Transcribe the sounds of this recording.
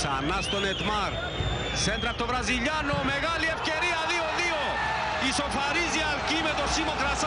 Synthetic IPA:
sa̰nast̪onet̪maɾ | sent̪ɾat̪oβɾaziʎanomeɣaliefkeɾiaðioðio | isofaɾizialkimet̪osimõkɾas

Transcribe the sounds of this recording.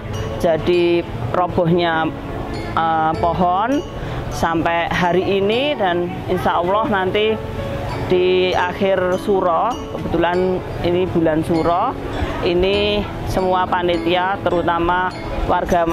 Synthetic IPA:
d͡ʒ̥a̤d̥i | rɔb̥ɔ̤hɲa | əpɔɦɔn | sampɛʔɦaɾiːnida̤n | insaulɔhnant̪i | d̥iaxɪrsuɾɔkəb̥ə̤t̪ulan | inib̥ṳlansuɾɔ | ini | səmuapanit̪iat̪əɾut̪ama | warɡ̥a̤m

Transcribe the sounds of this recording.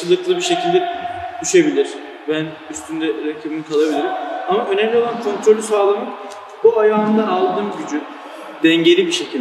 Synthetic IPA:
ɯlˠɯklˠɯbiɾʃe̞cʰilʲd̪ɛd̪̥yʃebilʲiɾ̥ | bæn | yst̪ʰynd̪ɛɾecʰibimikʰalˠabilʲiɾimamaø̞nɛmlʲio̞lˠankʰo̞nt̪ʰɾo̞lʲysaːlˠamɯ | buajaːɯnd̪aːlˠd̪ɯːmɟyd͡ʒy | d̪̥ɛɲɟe̞ɾʲibiʃe̞cʰilʲd̪

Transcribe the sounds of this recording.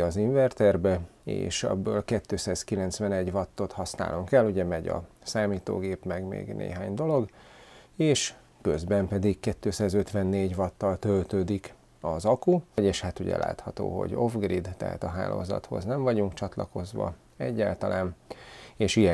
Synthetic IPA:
ɒziɱvɛrt̪ɛrbɛḛːʃɛ̰bːøːlkɛt̪ːøːsaːskilɛnt̪sʋɛnɛɟvɒt̪ːo̞t̪hɒsna̰ːloŋkɛlːuɟɛmɛɟɒ̰ | saːmiːt̪o̰ːɡeːpmɛɡmḛːɡnḛːɦaːɲd̪o̞lo̞ɡ | eːʃ | køzbɛmpɛd̪ikkɛt̪ːøːsaːzø̞t̪ʋɛnːeːɟvɒt̪ːɒlt̪ølt̪øːd̪ik | ɒzɒkuɟeːʃhat̪uɟɛ̰lʔa̰ːt̪hɒt̪o̰ːɦo̰ɟo̞vɡrid̪t̪ɛ̰ɦa̰t̪ɒɦa̰ːlo̰ːzɒ̰t̪ho̞̰znɛɱvɒɟuŋkt͡ʃɒt̪lɒko̞zʋɒ̰ | ɛ̰ɟːaːlt̪ɒlʔaːneːʃiɛ

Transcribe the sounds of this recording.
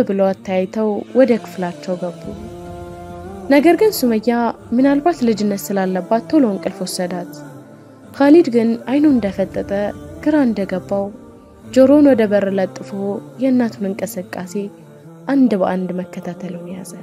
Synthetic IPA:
bɨlowat̪ʰːajjt̪ʰəwwɔd̪əkʰɨ̥flat͡ʃːɛwɡəbːṵ | nəɡəɾɡɨnsuməjːa | mɨnalbat̪lɨd͡ʒɨnːət̪sɨlalːəbːat̪ːolonkʼɨlfwɔsːəd̪at̪ | kʰalid̪ɡɨnajnuɨnd̪əfət̪ʼːət̪ʼəɡ̥ɨɾaɨnd̪əɡəbːaw | d͡ʒoɾonwɔd̪əbəɾələt̪ʼːɨfojɛɨnːat̪ʰunɨŋkʼɨsɨkʼːase̞ | ʔand̪bəʔand̪məkːət̪ʰat̪ʰəlɨmijazə

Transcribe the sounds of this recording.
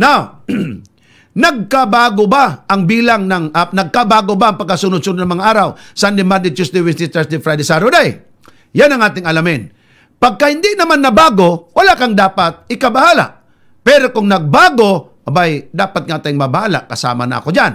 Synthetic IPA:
naw | nɐɡ̚kabaːɡobaʔɐŋbiːlaŋnɐŋanɐɡ̚kabaːɡobaɐŋpɐɡkːɐsunʊd̪sunʊd̪nɐŋmɐŋaʔaːɾawsand̪ɪmad̪ɪt͡ʃusd̪ɪwɪst̪ɪst̪ɛsd̪ɪfɾajd̪ɛsaɾod̪aj | janɐŋaːt̪ɪŋɐlamɪn | pɐɡ̚kahɪnd̪ɪnɐmanːɐbaːɡowɐlaʔkaŋd̪aːpat̪̚ɪkɐbahaːla̰ʔ | pɛɾokʊŋnɐɡ̚baːɡo̞ | bajd̪aːpat̪̚ŋat̪ajmɐbɐhaːla̰ʔkɐsa̰ːma̰nɐ̰ʔɐ̰kod͡ʒan

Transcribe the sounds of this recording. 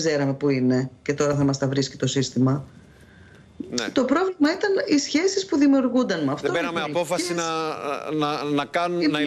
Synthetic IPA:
ze̞ɾɐme̞puine̞ce̞t̪o̞ɾɐθɐmɐst̪ɐvɾisci̥t̪o̞sist̪imɐ | t̪o̞pɾo̞vlimɐit̪ɐnisçe̞sispuðimiuɾɣund̪ɐnmɐft̪oenɐmeɐpo̞fɐsinɐnɐnɐkɐnunɐ

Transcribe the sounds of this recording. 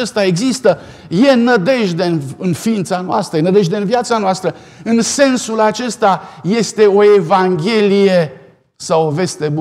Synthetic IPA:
e̞st̪ae̞ɡzist̪ə | je̞nəd̪e̞ʒd̪e̞nɨnfiint̪sanoa̰st̪ɾəjenəd̪e̞ʒd̪e̞ɨnviat̪sanoast̪ɾə | ɨnse̞nsulat͡ʃe̞st̪aje̞st̪e̞o̞evaŋɡʲe̞lije | sawove̞st̪e̞bu

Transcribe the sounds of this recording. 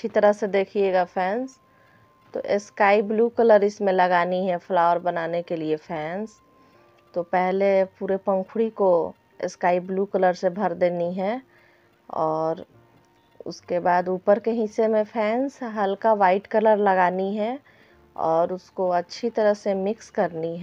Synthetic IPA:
ʃʰit̪əɾəɦsed̪eːkʰieːɡapʰɛːns | t̪o̰ʔeskaːibluːkələɾɪsmẽlɐɡaːniɦɛpʰlaːəɾbɐnaːnekeliepʰɛːns | t̪opɛɦlepuːɾepə̃ŋkʰʊɽiko | ɪ̰skaːibluːkələɾsebʱəɾd̪eːniɦɛ | ɔːɾ | ʊ̰skebaːd̪uːpəɾkeɦɪsːemẽpʰɛːnsɦɐlkaʋaːɪʈkələɾlɐɡaːniɦɛ | ɔ̰ːɾʊskoɐtːʃʰit̪ɐɾəɦsemɪkskɐɾniɦɛ

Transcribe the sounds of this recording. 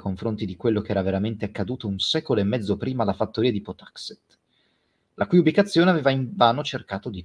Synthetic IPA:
koɱfɾont̪id̪ikwelːok̟eɛːɾaveɾament̪eakːad̪uːt̪ounsɛːkoloemːɛd̪zːopɾiːmalafat̪ːoɾiːad̪ipot̪ḁkset̪ | lʔakujubikat̪sːjoːneaveːvaiɱvaːnot͡ʃerkaːt̪od̪i

